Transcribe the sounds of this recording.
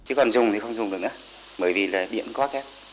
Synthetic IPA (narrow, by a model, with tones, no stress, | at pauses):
t͡ɕi˨˦kɔ˨˩nzʊ˨˩ŋ͡mt̪i˨˩xə˧wŋ͡mzʊ˨˩ŋ͡mɗɨ˨˩kʔaː˨˦ | ɓəː˨˦jvi˨˩laː˨˩ɗḭ˧˨ənkwaː˦˥xɛ˦˥p̚